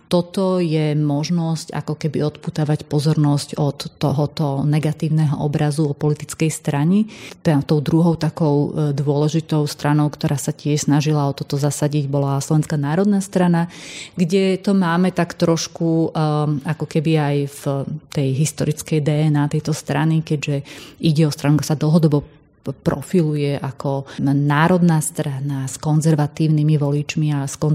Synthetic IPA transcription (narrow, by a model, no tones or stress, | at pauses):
t̪ɔt̪ɔjɛmɔʒnɔsca̰kɔkɛbiɔt̪put̪aʋacpɔzɔɾnɔscɔt̪ːɔɦɔt̪ɔnɛɡat̪iːʊnɛɦɔ̰ʔɔbɾazuɔpɔlit̪it͡skɛjst̪ɾaɲɛt̪ɔʊd̪ɾuɦɔʊt̪akɔʊd̪ʊɔlɛʒit̪ɔʊst̪ɾanɔʊkt̪ɔɾʔaːsacɪɛʃsnaʒilaɔt̪ɔt̪ɔzasaɟiɟbɔlaslɔʋɛnskanaːɾɔd̪nast̪ɾanaɡɟɛt̪ɔmaːmɛt̪akt̪ɾɔʃku | akɔkɛbiajft̪ɛjɦist̪ɔɾit͡skɛjd̪ɛɛnaːt̪ɛjt̪ɔst̪ɾanikɛɟʒɛiɟɛɔst̪ɾanuɡsad̪l̩ɦɔd̪ɔbɔ | pɾɔ̰filujɛʔakʰɔnaːɾɔd̪naːst̪ɾanaskɔnzɛɾʋat̪iːʊnimiʋɔlit͡ʃmiaskɔ